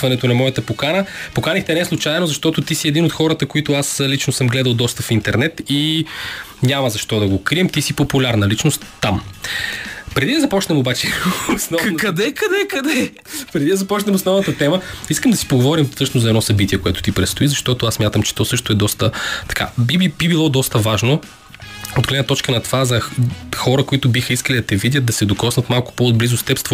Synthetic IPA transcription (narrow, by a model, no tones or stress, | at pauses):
vɐnɛt̪onɐmɔjət̪əpokanəpokanixt̪ɛnɛslˠut͡ʃajɛnozɐʃt̪ɔt̪ʊt̪isiɛd̪inot̪xɔɾət̪əkoit̪ʊaslit͡ʃnosɤmɡlɛd̪əlˠd̪ɔst̪əfint̪ɛɾnɛt̪i | ɲʲaməzɐʃt̪ɔd̪ɐɡokɾiɛmt̪isipopʊlʲaɾnəlit͡ʃnost̪ːam | pɾɛd̪id̪ɐzɐpɔt͡ʃnɛmobat͡ʃɛosnɔvkɐd̪ɛkɐd̪ɛkɐd̪ɛ | pɾɛd̪id̪ɐzɐpɔt͡ʃnɛmosnɔvnət̪ɐt̪ɛməiskəmd̪ɐsi̥poɡovɔɾimsɤt͡ʃnʊzɐɛd̪nɔsɐbit̪ʲiɛkoɛt̪ʊ̥t̪ipɾɛt̪st̪oizɐʃt̪ɔt̪ʊassmʲjat̪əmt͡ʃɛ̥t̪ɔsɤʃt̪ʊɛd̪ɔst̪ət̪ɐ̥ka̰bibibibilˠɔd̪ɔst̪əvaʒno | od̪ɡlɛd̪nɐt̪ɔt͡ʃkənɐt̪ovazɐxɔɾəkʊit̪ʊbixəiskəlid̪ɐt̪ɛvid̪ʲjəd̪̚d̪ɐsɛd̪okɔsnət̪malˠkʊ̥poːd̪̚blizʊst̪ɛpst̪v